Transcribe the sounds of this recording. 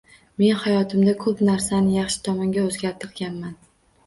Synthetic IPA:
me̞nhajɒt̪ʰɪmd̪akʰɵpnaɾsanɪjɑχʃɪ̥t̪ʰɒmɒŋɡʲaozɡʲaɾt̪ʰɨqɡʲanman

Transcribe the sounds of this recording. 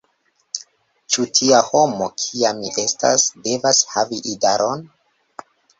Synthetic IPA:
t͡ʃutʰiaho̞mo̞kʰiamːiʔesta̰sde̞vashaviʔidaɾon

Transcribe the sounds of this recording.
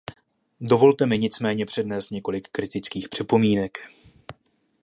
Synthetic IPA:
do̞vo̞lt̪ɛmɪɲɪt͡smɛːɲɛpr̝̥ɛdnɛːst̪ɲɛko̞lɪkːɾɪt̪ɪt͡skiːxpr̝̥ɛpo̞miːnɛk

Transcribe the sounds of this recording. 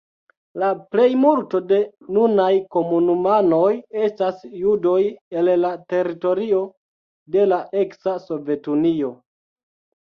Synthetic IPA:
laple̞jmulto̞de̞nunajko̞munumano̞je̞stasjudo̞je̞llate̞ɾito̞ɾio̞ | de̞laʔe̞ksaso̞ve̞tunio̞

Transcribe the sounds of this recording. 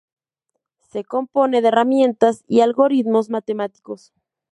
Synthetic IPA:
se̞ko̞mpo̞ne̞ðeramje̞nt̪asialɣo̞ɾit̪mo̞zmat̪e̞mat̪i̥ko̞s

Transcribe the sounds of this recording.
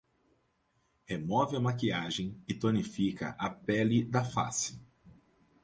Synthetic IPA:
hemɔvɪɐmakiaʒẽj̃ɪt̪onifikɐ̰ʔɐpɛlɪd̪ɐfa̰sɪ̥

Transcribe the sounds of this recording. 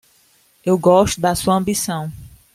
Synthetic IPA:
ewɡɔʃt̪ʊd̪ɐsuɐɐ̃mbisɐ̃w̃

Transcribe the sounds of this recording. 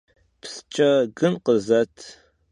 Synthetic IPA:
pst͡ʃʼɐɡɨnqəzɐtʰ

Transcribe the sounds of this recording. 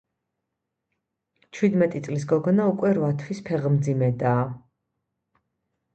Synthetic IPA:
t͡ʃʰwid̪mɛt̪ʼit̪sʼlis̬ɡɔɡɔnaukʼwɛɾvat̪ʰwispʰɛʁmd̪zimɛd̪aː

